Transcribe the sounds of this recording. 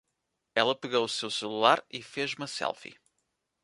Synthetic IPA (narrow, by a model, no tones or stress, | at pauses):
ɛlˠɐpɨɣowusewsɨlˠulˠaɾifeʒumɐsɛ̰lˠfḭ